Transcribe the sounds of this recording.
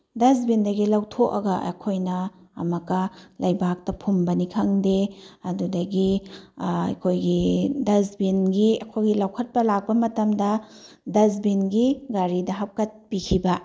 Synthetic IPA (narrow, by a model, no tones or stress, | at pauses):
dɐzbindɐɡilɐwtʰokɐɡɐɐ̰kʰojnɐ̰ːmɐkɐlʔajbak̚tɐpʰumbɐnikʰɐŋdeɐdudɐɡi | ɐ̰kʰojɡidɐzbinɡiɐ̰kʰojɡilɐwkʰɐt̚pɐlak̚pɐmɐtɐmdɐ | dɐzbinɡiɡaɾidɐɦɐp̚kɐt̚pikʰibɐ